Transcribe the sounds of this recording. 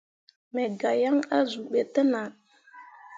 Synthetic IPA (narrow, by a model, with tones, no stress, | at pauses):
mɛ˨ɡa˨ja˦ŋa˦zu˨ɓe˨tə˦na˨